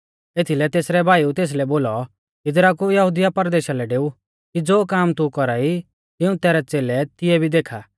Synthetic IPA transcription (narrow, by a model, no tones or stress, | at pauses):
eːt̪ʰilɛt̪eːsɾɛbʱaːiut̪eːs̬lɛboːlɔ | ɪd̪ɾakujɐɦud̪ɪjapɐɾd̪eːʃalɛɖeːu | kid͡zoːkaːmt̪ukɔɾai | t̪ɪũt̪ɛːɾɛt͡seːlɛt̪ɪjɛbʱid̪eːkʰa